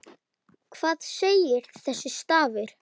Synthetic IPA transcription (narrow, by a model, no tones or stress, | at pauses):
kʰv̥aːðseːjɪɾ̥θɛsːɪst̪aːvɪɾ̥